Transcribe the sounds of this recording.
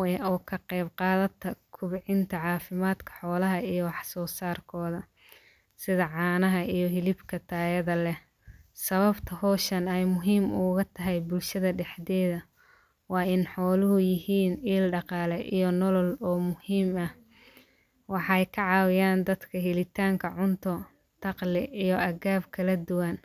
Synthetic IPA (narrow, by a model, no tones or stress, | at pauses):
ɛʔɔːkʰɐqɛjbqɑːðɐt̪ʰɐkʰʊβɪʕɪnt̪ʰɐʕɑːfɪmaːd̪kʰɐ̥ħɔːlɐɦɐijɞwɑħsɔːsaːrkʰɔːðɐ | sɪðɐʕɑːnɐɦɐijɞɦɪlɪbkʰɐt̪ʰaːjɐðɐlɛ | sɐβɐbt̪ʰɐhɔːʃɐnɛjmʊɦiːmʊːɣɐt̪ʰɐɦɛjbʊlʃɐðɐɖɛħd̪ɛːðɐ | wɑːʔɪnħɔːlʊɦʊjɪhiːniːlɖɑqɑːlɛʔijɔnɔlɔlɔːmʊhiːmɐh | wɑħɑjkʰɐʕɑːwɪjaːnd̪ɐd̪kʰɐɦɪlɪt̪ʰaːŋkʰɐʕʊnt̪ʰɔ | t̪ʰɑqlɪʔijɔʔɐɣaːbkʰɐlɐd̪ʊwɐn